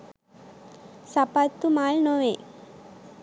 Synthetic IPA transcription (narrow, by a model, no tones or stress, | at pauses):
sapat̪ːumaːlnoʋe